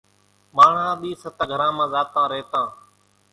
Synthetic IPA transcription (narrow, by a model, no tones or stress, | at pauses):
maːɳ̤ãːɗ̪iːsət̪ːɡʱəɾãːmãːzaːt̪ãːɾeːt̪ãː